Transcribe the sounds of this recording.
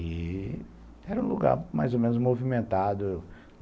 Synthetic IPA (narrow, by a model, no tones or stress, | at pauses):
ɪ | ɛɾɐũlṵɡa̰ɾmajzomẽnʊzmovimẽnt̪ad̪ʊ